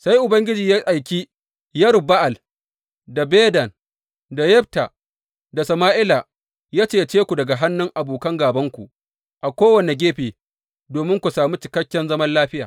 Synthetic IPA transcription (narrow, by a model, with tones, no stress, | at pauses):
sa˦jʔʊ˨bɐ˦ŋɡʲɪ˦d͡ʒiː˨ja˦ʔa˨jkʲi˦ | jaː˦ɾʊ˨ba˦ʔa˨l | da˨bɛː˦dɐ˨n | da˨jɛ˦ɸta˨ | da˨sɐ˨maː˦ʔɪ˦la˨ | jaː˦t͡ʃeː˦˨t͡ʃeː˦kʷu˨dɐ˨ɡa˨ɦa˦nːʊ˦ŋʔa˨boː˨kɐ˦ŋɡaː˨bɐ˦ŋkʷu˨ʔ | ʔa˨kʷoː˦wɐ˨ne˨ɡʲeː˦ɸeː˨ | doː˨mɪ˦ŋkʷu˨saː˨miː˦t͡ʃɪ˨kɐ˦kʲːɛ˦nzɐ˦mɐ˦nlaː˦ɸɪ˦ja̰ː˨